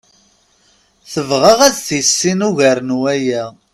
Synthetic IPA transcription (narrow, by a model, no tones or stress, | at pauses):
θəvʁəʁæðθjəsːinuʝæɾənwæjæ